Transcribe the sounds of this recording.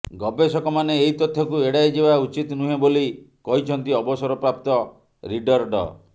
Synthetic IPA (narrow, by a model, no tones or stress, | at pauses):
ɡɔbesɔkɔmaneːɦit̪ɔt̪ʰːjɔkueɽajd͡ʒebaut͡ʃit̪nuɦẽboli | kɔɦit͡ʃʰɔnt̪iɔbɔsɔɾɔpɾap̚t̪ɔ | ɾiɖɔɾɖɔ̰